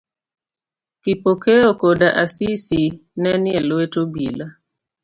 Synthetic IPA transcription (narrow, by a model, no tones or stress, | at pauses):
kipokeokodaʔasisinɛnjɛlwetobila